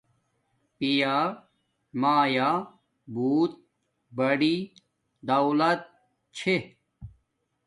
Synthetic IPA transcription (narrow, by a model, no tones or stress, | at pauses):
pijaː | maːjaː | buːt̪̚ | bɐɖi | d̪ɐwlɐt̪̚ | t͡ɕʰe